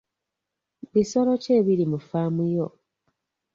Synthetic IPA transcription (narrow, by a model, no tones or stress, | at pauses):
βiso̞lo̞ce̞ːβilimufaːmujo